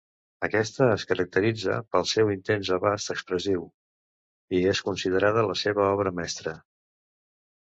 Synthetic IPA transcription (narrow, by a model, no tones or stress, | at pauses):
əkɛst̪əːskəɾək̚t̪əɾid͡zə̰pəlˠsɛwint̪enzəβast̪əkspɾəziw | ieskunsið̞əɾað̞ələseβəɔβɾəmɛst̪ɾə